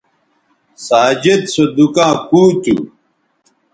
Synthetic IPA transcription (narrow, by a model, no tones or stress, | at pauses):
saːd͡ʑed̪sod̪ukãːkuːkḭ